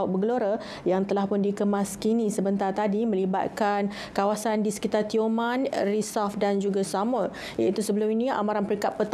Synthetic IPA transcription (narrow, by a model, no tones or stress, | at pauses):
ʊt̪̚bəɡəloɾa | jaŋt̪əlahpʊndikəmaskinisəbənt̪art̪adimə̃liba̰t̪̚kan | kawasandisə̥kit̪art̪iomanrisɔfdand͡ʒuɡasamʊl | jait̪usəbəlʊminĩa̰maɾanpəɾiŋkat̪̚pət̪